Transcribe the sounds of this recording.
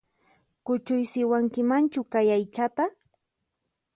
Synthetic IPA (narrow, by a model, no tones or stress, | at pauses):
kʊt͡ʃʊjsɪwaŋkɪmant͡ʃʊkajajt͡ʃat̪a